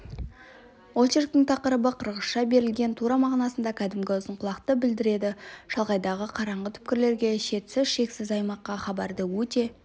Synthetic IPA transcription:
wot͡ʃeɾk̚t̪ɪŋt̪ʰɑqəɾəbəqʰəɾʁəsʃɑbe̞ɾɪlɡʲe̞nt̪ʰuɾɑmɑʁnɑsənd̪ɑkʲʰæd̪ɪmɡʲɪʊzəɴqʰʊlˠɑqt̪əbɪld̪ɪɾe̞d̪ɪʒ̥ɑlˠʁɑjd̪ɑʁəqʰɑɾɑɴʁət̪ʰʏ̥p̚kʲɪɾle̞ɾɡʲe̞ʃe̞t̪sɪzʃe̞ksɪzɑjmɑqːɑχɑbɑɾd̪əwɵt̪e̞

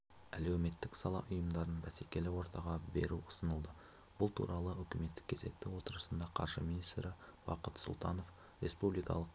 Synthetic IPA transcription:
ælewme̞t̪ːɪksɑlˠɑ̰ʔʊjəmd̪ɑɾənbæsekʲe̞lɪwo̞ɾt̪ɑʁɑbe̞̰ɾuʊ̥sənəlˠd̪ə | b̥ʊlˠt̪ʰṵɾɑlˠəɵkʲɪme̞t̪ːɪ̥kʲʰe̞ze̞k̚t̪ːɪwo̞t̪əɾəsənd̪ɑqʰɑ̰ɾʒəminist̪ɾɪwɑ̰qət̪sʊ̰lˠt̪ɑno̞f | rʲe̞spublijkɑ̰lˠəq

